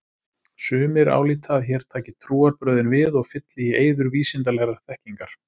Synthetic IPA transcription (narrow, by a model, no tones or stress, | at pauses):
sʏːmɪɾa̰ːwliːt̪ʰaðçɛːɾ̥t̪ʰaːcɪt̪ʰɾuːaɾpɾœːɥðɪnvɪðɔɣfɪt̪lɪjɪʔeːjðʏɾviːsɪnt̪alɛɣraɾ̥θɛhciŋkaɾ̥